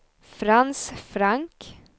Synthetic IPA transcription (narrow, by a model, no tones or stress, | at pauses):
fɾansfɾaŋk